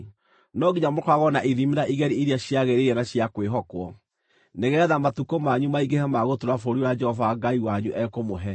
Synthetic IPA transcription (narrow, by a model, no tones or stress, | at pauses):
nɔɡiɲamokwaɣɔnaʔiðimeɾaʔiɣɛɾiiɾiaɕjaɣeɾeɛnaɕjakweɦɔkwɔ | neɣɛðamatukomaɲumaiɡehɛmaɣotoɾafoɾiwad͡ʒɛhɔvaːɡaiwaɲuʔɛkomoɦɛ